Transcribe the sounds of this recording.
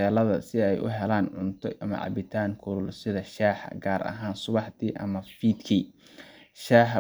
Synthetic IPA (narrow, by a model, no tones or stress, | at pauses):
ɛːlɐðɐsɪɛjʔʊ̰ɦɛlaːnʕʊnt̪ʰɔʔɐmɐ̰ʕɑ̰bɪt̪ʰaːŋkʰʊlʊlsɪðɐʃaːħɐ̰ɡaːɾɐ̰ɦaːnsʊβɑħd̪iːʔɐ̰mɐfiːd̪kʰiː | ʃaːħ